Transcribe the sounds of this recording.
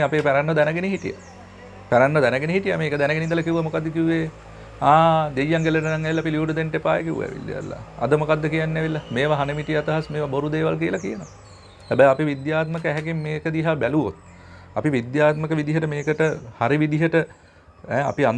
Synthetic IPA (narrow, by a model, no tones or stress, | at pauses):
apeːpæɾanːəd̪ɛnəɡeniɦiʈija̰ | pæɾanːəd̪ɛnəɡeniɦiʈija̰meːkəd̪ɛnəɡenind̪əlɐkiʋuʋamokad̪ːəkiuʋeː | aːd̪ejːaŋɡeləʈ̬ənaŋːæʋilːapiljuːɖud̪enʈepaːjḛkiʋṵæ̰ʋḭlːḛja̰lːa̰ɐ̰d̪əmokad̪ːəkijanːɛʋilːameːʋaɦanəmiʈijat̪aɦasmeːʋaboɾud̪eːʋalk̬iəlakijəno | hæbæjapiʋid̪jaːt̪məkəæɦɛkimːeːkəd̪iɦaːbæluʋo̰t̪̚ | ɐpiʋid̪jaːt̪məkəʋid̪iɦəʈəmeːkəʈəhaɾiʋid̪iɦəʈə | ɛːa̰pian